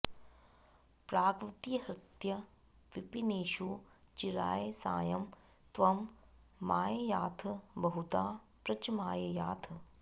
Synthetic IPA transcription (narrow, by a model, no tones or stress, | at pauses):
pɾaːkɾut̪iːɦɾɪt̪jɐ | ʋipineːʃut͡ʃiɾa̰ːjesa̰ːjɐm | t̪ʋɐmː | aːjɐjaːt̪ʰɐbɐɦut̪aː | pɾɐt͡ʃmaːjɐjaːt̪ʰɐ